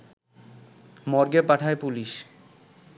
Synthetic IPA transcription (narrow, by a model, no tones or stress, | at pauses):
mɔɾɡepaʈʰaepuliʃ